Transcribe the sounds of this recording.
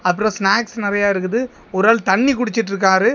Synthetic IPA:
ɐp̬ːɯɾõsnaːksnɪɾɐjaːɪɾɯk̬ːɯðɯ | ɔɾaːlt̪ɐɳːikʊɽɪt͡ʃːɪʈ̬ːɾɯk̬ːaːɾɯ

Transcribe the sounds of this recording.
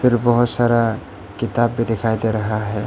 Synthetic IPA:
pʰɪɾbɔɦʊt̪saɾa | kɪt̪abːid̪ekʰajd̪eɾəɦaɦɛ

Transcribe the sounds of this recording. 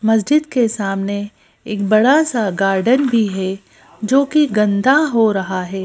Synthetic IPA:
mɐs̬d͡ʒɪd̪kesaːmne | eːk̚bɐɽasaɡaːɾɖənbʱiɦɛ | d͡ʒoːkiɡɐ̃nd̪ʱaɦoɾɐɦaɦɛː

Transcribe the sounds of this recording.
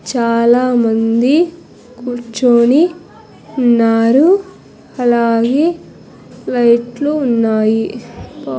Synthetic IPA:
t͡ʃaːlaːmɐnd̪i | kuɾt͡ʃoːni | unːaːɾu | ɐlaːɡeː | lɐjʈluːnːaːji

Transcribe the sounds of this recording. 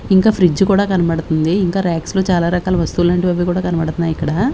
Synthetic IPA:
iŋkaːpʰɾid͡ʒukuːɽaːkɐnɐbɐɽut̪und̪iːŋkaːɾaːkslo̞ːt͡ʃaːlaːɾɐkaːlɐʋɐst̪ulaːɳʈibɐbikuːɽaːkɐnɐbɐɽt̪unːaːjikːɐɽaː

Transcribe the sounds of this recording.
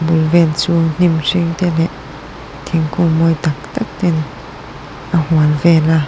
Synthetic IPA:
bulvɛlt͡suːn̥imsiŋt̪ɛlɛʔ | t̪ʰiŋkuŋmojt̪ak̚t̪ak̚t̪ɛn | ʔahualvɛla

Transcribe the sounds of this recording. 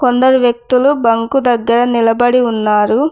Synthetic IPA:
kond̪ɐɾuʋjɐk̚t̪ulubɐŋkud̪ɐɡːɐɾɐnilɐbɐɽinːaːɾu

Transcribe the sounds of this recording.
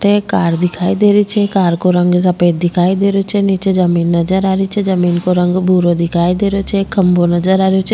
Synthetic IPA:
ʈekaːɾd̪ɪkʰaːid̪eːɾit͡ʃʰɛkaːɾkoɾə̃ŋɡs̬əpeːd̪̚ːɪkʰaːid̪eːɾot͡ʃʰenit͡ʃed͡ʒəmiːnːəd͡ʒəɾaːɾit͡ʃʰezəmiːnkoɾə̃ŋɡbʱuːɾod̪ɪkʰaːid̪eːɾot͡ʃʰekəmbonəd͡ʒəɾaːɾjoe

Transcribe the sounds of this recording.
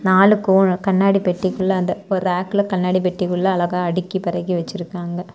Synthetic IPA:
naːlɯkoːɳkɐnːaːɽipɛʈːɪkɯɭːɐɐnd̪ɐɔɾɯɾaːkːɯlɐkɐnːaːɽipɛʈːikɯɭːɐɐlɐɣaːɐɽɪkːipɐɾɐɣiʋɐt͡ʃːɪɾɯkːaːŋɡɐ

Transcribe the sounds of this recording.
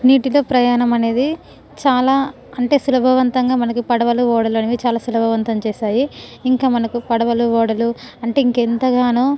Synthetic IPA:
niːʈilo̞ːpɾɐjaːɳɐmɐne̞ːd̪i | t͡ʃaːlaː | ɐɳʈe̞ːsulɐbʱɐʋɐnt̪ɐŋɡaːmɐnɐkupɐɽɐʋɐluɔːɽɐluɐneʋit͡ʃaːlaːsulɐbʱɐʋɐnt̪ɐmt͡ʃɛːʃaːjiːŋkaːmɐnɐkupɐɽɐʋɐluʋɔːɽɐlu | ɐɳʈe̞ːiŋkent̪ɐɡaːnuː

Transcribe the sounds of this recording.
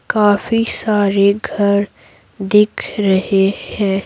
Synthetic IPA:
kaːfisaːɾeɡʱɐɾ | d̪ɪkʰɾɐɦehɛ̃ː

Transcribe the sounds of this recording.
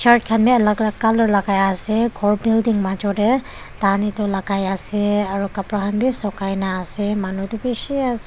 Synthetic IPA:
t͡ʃaɾt̚kʰanbiɐlaklakːalɔɾlaɡajaseɡʰɔɾbildiŋmad͡ʒɔɾe | tanitɔlaɡajaseaɾukapɾahanbisɔkajnaːsemanudubesiase

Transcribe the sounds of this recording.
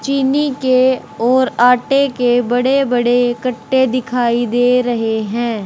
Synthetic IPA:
t͡ʃiːnike | ɔːɾaːʈekebɐɽebɐɽekɐʈːed̪ɪkʰaːid̪eːɾɐɦeɦɛ̃ː

